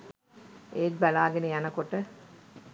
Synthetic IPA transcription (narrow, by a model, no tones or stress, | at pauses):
eːt̪̚bælaːɡenəjanəkoʈə